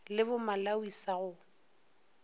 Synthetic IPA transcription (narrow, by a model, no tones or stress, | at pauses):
lɪbʊmalawisaɣʊ